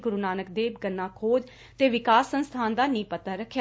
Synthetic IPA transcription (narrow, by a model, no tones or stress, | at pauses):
ɡʊɾunaːnəkd̪eːbɡənːãːkʰoːd͡ʒ | t̪eːʋɪkaːsːənst̪ʰaːnd̪aːnĩːpət̪aːɾəkʰːja